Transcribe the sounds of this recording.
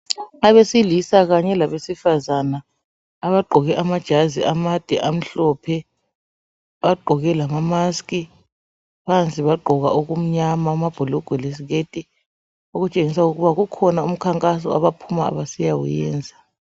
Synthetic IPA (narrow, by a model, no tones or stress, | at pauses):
aβesilisak̬aɲɛlaβesifazanaː | βaɡ͡ǃʱɔɣɛʔamad̥ʒ̥ʱaziʔamad̥ʱɛʔam̩ɬɔpʰɛ | ɓaɡ͡ǃʱɔɣ̬ɛlamamaskʼi | pʰant͡sʼiβaɡ͡ǃʱɔɣ̬aʔuk̬um̩ɲamamab̥ʱɔlɔɡ̥ʱɛles̬iɣ̬etʼi | okut͡ʃʼeŋisauk̬ɣuβak̬ukʰɔnaum̩kʰaŋkʼas̬ɔa̰βapʰumaa̰ɓasijawṵjɛ̰ːnd͡zʱa